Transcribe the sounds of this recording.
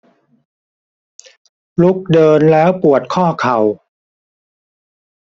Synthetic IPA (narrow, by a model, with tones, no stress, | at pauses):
lu˦˥k̚dɤː˧nlɛː˦˥wpu˨˩ət̪̚kʰɔː˥˩kʰa˨˩w